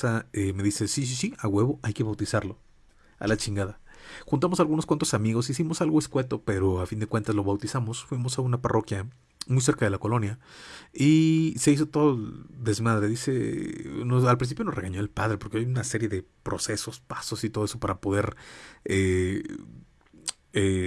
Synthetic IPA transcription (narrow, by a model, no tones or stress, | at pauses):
aeme̞ðise̞sis̬isiaɣwe̞βo̞ʔajke̞βawt̪isaɾlo̞ | a̰lat͡ʃiŋɡaðaxunt̪amo̞salɣunoskwant̪osamiɣo̞sisimo̞salɣoeskwe̞t̪o̞pe̞ɾo̞afind̪e̞kwe̞nt̪azlo̞βawt̪isamo̞sfwimo̞saunaparʔo̞kja | mujse̞ɾkað̞e̞lako̞lo̞njaise̞is̬o̞t̪o̞ðoðe̞zmaðɾeðise̞̰noalpɾinsipjono̞zre̞ɣaɲo̞elpaðɾe̞po̞ɾkeajunase̞ɾjeðe̞pɾo̞se̞so̞spaso̞sit̪o̞ð̞eso̞paɾapo̞ð̞e̞ɾe | e